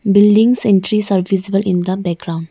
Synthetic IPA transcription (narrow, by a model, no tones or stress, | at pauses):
bɪlɖĩŋsɛ̃nʈɾisaɾʋizibəlʔĩnd̪əbɛk̚ɡɾãʊ̃ɳɖ